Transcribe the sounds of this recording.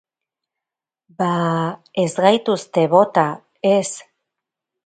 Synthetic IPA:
bae̞zɣajt̪ust̪e̞βo̞t̪a | e̞s

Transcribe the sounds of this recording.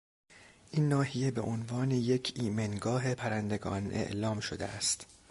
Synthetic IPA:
ʔiːnːɒːhijebe̞ʔonvɒːne̞je̞cʰiːmenɡɒːɦe̞pʰæɾænd̪e̞ɡɒːnʔe̞̰ʔlɒːmʃod̪eʔæst̪

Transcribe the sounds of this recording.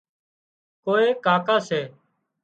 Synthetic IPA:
koːeːkaːkaːseː

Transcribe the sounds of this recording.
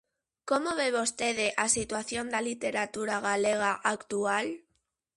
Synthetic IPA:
komoβeβost̪eðeʔasit̪waθjond̪alit̪eɾat̪uɾaɣaleɣ̞aʔakt̪ual

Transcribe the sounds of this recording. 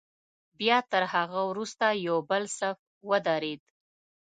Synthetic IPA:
bjɑt̪əɾhaɣawɾust̪ajawbəlsaf | wəd̪ɑɾed̪

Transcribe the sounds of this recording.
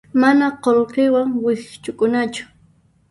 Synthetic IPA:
manaqolqɪwaŋwɪχt͡ʃʊkʊnat͡ʃʊ̥

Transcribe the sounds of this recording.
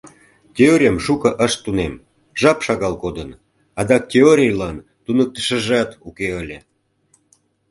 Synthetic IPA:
tʲeoɾʲijəmʃukəʔəʃt̪ːunem | ʒɑpʃɑɣɑlkod̪ən | ɑd̪ɑk̚tʲeoɾʲijlɑn | t̪unək̚t̪ə̥ʃə̆ʒɑt̪ukeəlʲe

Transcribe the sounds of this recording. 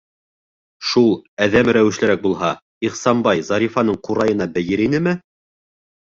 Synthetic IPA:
ʃulˠæðæmɾæwɘ̆ʃlɘ̆ɾæk̚bulˠɦɑ | iqsɑmbɑjzɑɾifɑnɤɴquɾɑjɤ̆nɑbɘ̆jɘɾinɘmɘ

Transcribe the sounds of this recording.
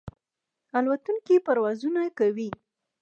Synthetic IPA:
alwat̪uŋkipaɾwɑzunakawi

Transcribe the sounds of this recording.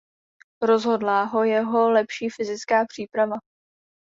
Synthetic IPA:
ɾo̞zɦo̞dlaɦo̞jɛɦo̞lɛpʃiːfɪzɪt͡skaːpr̝̥iːpɾava

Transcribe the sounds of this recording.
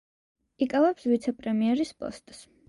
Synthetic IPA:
ikʼavɛpsvit̪sʰɛpʼɾɛmiɛɾispʼɔ̰st̪ʼs

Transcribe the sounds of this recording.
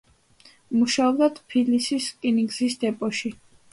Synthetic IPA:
muʃaɔbd̪ad̪pʰilisiskʼiniŋɡzisd̪ɛpʼɔʃi

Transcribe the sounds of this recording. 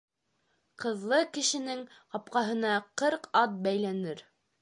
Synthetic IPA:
qɤ̆ðlˠɤkɘ̆ʃɘ̆nɘŋqɑp̚qɑɦɤ̆nɑqɤɾqɑt̪̚bæjlænɘɾ

